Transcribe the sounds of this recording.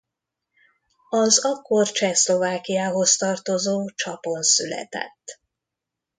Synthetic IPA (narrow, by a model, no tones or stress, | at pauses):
ɒzɒkːort͡ʃɛslo̞vaːkijaːɦo̞st̪ɒrt̪o̞zoːt͡ʃɒponsylɛ̰t̪ɛ̰t̪ː